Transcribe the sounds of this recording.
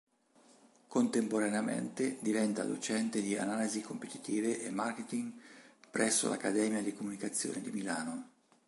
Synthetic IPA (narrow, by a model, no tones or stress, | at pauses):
kont̪empoɾaneamḛnt̪ed̪ivɛnt̪a̰d̪o̰t͡ʃɛnt̪ed̪ia̰naːlizikompet̪i̥t̪iːveʔemːarket̪iŋpɾɛsːo̰lʔa̰kːad̪ɛːmjad̪ikomunikat̪sːjo̰ːned̪imilaːno